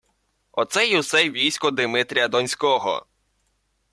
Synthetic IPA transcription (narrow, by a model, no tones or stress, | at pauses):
ɔt̪sɛjiwsɛʋʲijsʲkɔd̪ɪmɪt̪ɾʲijɐd̪ɔnʲsʲkɔɦɔ̰